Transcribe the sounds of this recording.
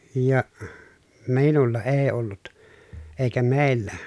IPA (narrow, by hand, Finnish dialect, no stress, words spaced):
jɑ miːnulːɑ eː olːut eˑi̯kæ meːlːæ